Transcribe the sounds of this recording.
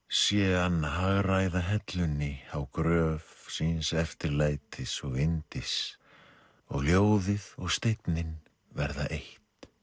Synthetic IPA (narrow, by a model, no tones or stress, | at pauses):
sjɛanːaɦaɣrajðaɦɛt̪lʏnːɪawkɾœːvsinsɛft̪ɪɾlaːjt̪ʰɪsɔɣɪnt̪ɪs | ɔɣljoːwðɪðɔɣst̪ejt̪nɪn | vɛɾðaʔeht̪